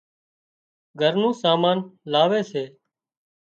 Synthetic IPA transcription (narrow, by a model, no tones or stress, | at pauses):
ɡʱəɾnũːsaːmaːnlaːʋeːseː